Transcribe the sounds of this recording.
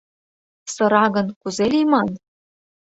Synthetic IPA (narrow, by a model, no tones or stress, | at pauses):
sɤ̆ɾɑɣɤ̆nkuzelimɑn